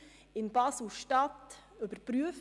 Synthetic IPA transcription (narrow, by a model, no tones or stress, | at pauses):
ɪnbɑsl̩ʃtɑtɵbəɾpɾyəf